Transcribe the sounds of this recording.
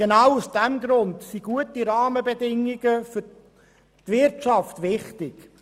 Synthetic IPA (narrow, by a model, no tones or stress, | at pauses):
ɡenawusd̥ɛmɡɾʊndsiɡuətiɾɑːməbedɪŋːiɡəfʏ | tvɪɾtt͡ʃɑftʋɪχtɪɡ̥